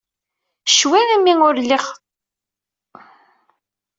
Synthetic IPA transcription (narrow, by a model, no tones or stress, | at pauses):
ʃwænæmiŋʊɾliχ